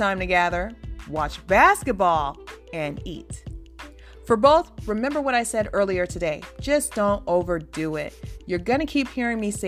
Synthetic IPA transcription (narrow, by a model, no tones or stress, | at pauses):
tãɪ̃mtɨɡæðə˞wɑt͡ʃb̥æskɨt̚b̥ɔlˠɨ̃nḭt | fə˞boʊθɹɨmɛ̃mbə˞wʌɾaɪsɛɾɜ˞lˠiə˞tʰɨdeɪd͡ʒʌsd̥õʊ̃ntoʊvə˞duɪ̰ʔ̚jə˞ɡʌñɨkʰiphiɹɪ̃ŋmise